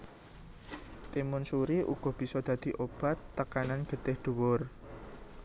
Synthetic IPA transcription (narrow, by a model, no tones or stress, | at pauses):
t̪imʊnsuɾiʔṵɡ̥ɔ̤b̥i̤sɔd̪̥ä̤d̪̥i̤ʔob̥a̤t̪ːəkananɡ̥ə̤d̪̥ɪhd̪̥uwʊr